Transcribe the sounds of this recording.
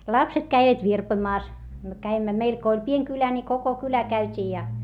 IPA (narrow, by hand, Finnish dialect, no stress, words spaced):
lɑpset kæiʋæt ʋirpoĭmɑːs myø kæimːæ meil ko olʲ pieŋ kylæ ni koko kylæ kæytʲiː jɑ